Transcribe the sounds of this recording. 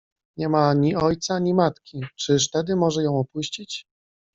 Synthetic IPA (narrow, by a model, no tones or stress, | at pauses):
ɲɛmaɲiɔjt̪saɲimat̪kʲit͡ʂɘʂt̪ɛd̪ɘmɔʐɛjɔ̃w̃ɔpuɕt͡ɕit͡ɕ